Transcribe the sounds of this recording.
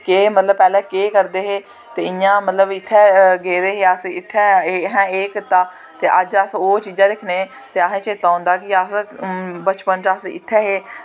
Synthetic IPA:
keːmət̪ləbpɛːlɛ̃ːkeːkəɾd̪eːɦeː | t̪eːɪjãːmət̪ləbɪt̪ʰːɛːɡeːɾeːɦeːəsɪt̪ʰːɛːɦɛ̃ːeːkət̪aː | t̪eːʔəd͡ʒəsoːt͡ʃiːd͡ʒãːd̪ɪkʰneː | t̪eːaɦẽːt͡ʃeːt̪ãːnd̪aːkɪəsbət͡ʃpənt͡ʃəsɪ̰t̪ʰːɛːɦeː

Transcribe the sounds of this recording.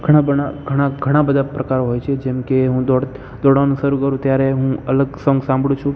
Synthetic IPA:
ɡʱəɽ̃abəɳaɡʱəɽaɡʱəɽ̃abəd̪ʱapɾəkaɾoɦojt͡ʃʰed͡ʒɛmkeɦũd̪oɽ | d̪ɔɽanũʃəɾũkəɾũt̪jaɾeɦũələɡsəŋɡsãmbʱɽũt͡ʃʰũ

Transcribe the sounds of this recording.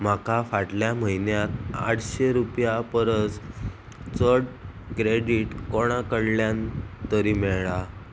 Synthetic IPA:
m̤akafaʈljam̤əɦinjat̪a̰ʈʰɕeɾupjapəɾət͡s | t͡səɽ | kɾeɖiʈkoɽ̃ãkəɽljãnt̪əɾiːmɛɭɭa

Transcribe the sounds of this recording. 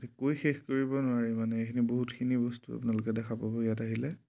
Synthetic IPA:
tʰikojxexkoɹibɔnʊaɹimanɛekʰiniboɦutkʰinibɔstua̰pʊnalʊkɛdɛkʰapabɔijataɦilɛ

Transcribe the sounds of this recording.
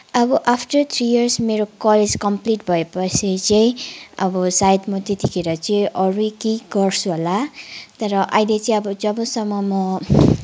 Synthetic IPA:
ʌbʌʔapʰʈʌrt̪ʰɾijʌrsmeɾokʌled͡zkʌmpliʈbʱʌepʌsʰit͡sʌĩʌbʌsajd̪mʌt̪et̪ikʰeɾʌt͡sʌ̃ʔʌɾujkeɡʌrt͡sʰuɦolat̪ʌɾʌʔajlet͡sʌĩʌbʌd͡zʌbʌsʌmːʌmʌ

